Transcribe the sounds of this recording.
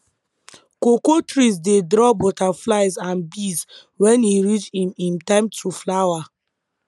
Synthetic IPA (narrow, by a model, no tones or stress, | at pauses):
kokotɹisdedɾɔbotaflaɪzãnbis | wɛ̃niɾit͡ʃĩmĩmtãɪ̃mtʰuflawa